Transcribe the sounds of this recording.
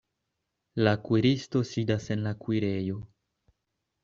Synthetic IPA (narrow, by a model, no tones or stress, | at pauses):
lakwiɾisto̞sidase̞nlakwiɾe̞jo̞